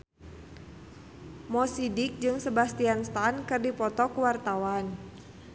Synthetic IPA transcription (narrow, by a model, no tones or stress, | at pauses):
mɔsidɪk̚d͡ʒɨŋsəbast̪ianst̪ankɨrdipɔt̪ɔkəwart̪awan